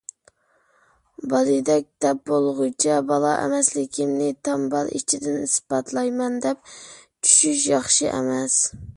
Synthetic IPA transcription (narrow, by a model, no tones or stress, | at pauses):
bɑlˠid̪ɛk̚ʲd̪̥ɛp̚bolˠʁujt͡ʃʰɛbɑlˠɑʔɛ̰mɛslɪkʲʰimnɪt̪ʰɑmbɑlˠʔḭt͡ʃʰid̪ɪnisbɑt̪ʰlˠɑjmɛnd̪ɛp̚t͡ʃʰy̥ʃyʃjɑχʃɨʔɛ̰mɛs